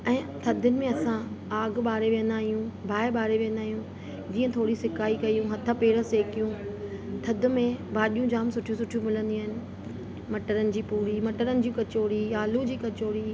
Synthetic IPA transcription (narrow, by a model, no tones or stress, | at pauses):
ɛ̃ːt̪ʰɐd̪ʱʊnɪ̆mẽɐsãaːɡɓaːɾeʋijə̃nd̪aːɦijũbʱaːɪɓaːɾeʋiːə̃nd̪aːɦijũ | d͡ʑiːə̃t̪ʰoːɽisɪkaːikɐijũɦɐt̪ʰəpeːɽə̆seːkijũt̪ʰɐd̪ʱʊ̆mẽbaːɗijũd͡ʑaːmsʊʈʰijũsʊʈʰijũmɪlə̃nd̪iaːɦɪnɪ̆ | mɐʈəɾənɪ̆d͡ʑiːpuːɾimɐʈəɾənɪ̆d͡ʑiːkɐt͡ɕoːɽiaːlũd͡ʑiːkɐt͡ɕoːɽi